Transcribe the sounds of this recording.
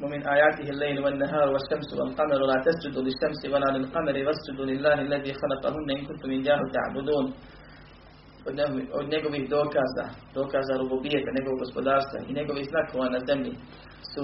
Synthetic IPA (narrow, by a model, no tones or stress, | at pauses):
wɐmɪnʔaːjaːt̪ɪɦɪalːejlwɐnːaɦaːɾwɐʃːɐmsʊwɐ̰lqɑmaɾlaːt̪ɐsd͡ʒʊd̪uːlɪʃːɐmsɪwalaːlɪlqɑmaɾɪwasd͡ʒʊd̪ulɪlːaːɦalːɐðiːxalɐqɑ̰ɦʊnːaʔɪnkʊnt̪ʊmɪnd͡ʒaːɦʊt̪a̰ʕbʊd̪uːn | n̰nɛɡobɪd̪oːkaza̰d̪oːkaːzaɾʊbuːbɪjːat̪anɛɡoɡɔspod̪aːɾst̪a̰ʔḭnɛkowɪsnakʰːʊwanazɐmːi | s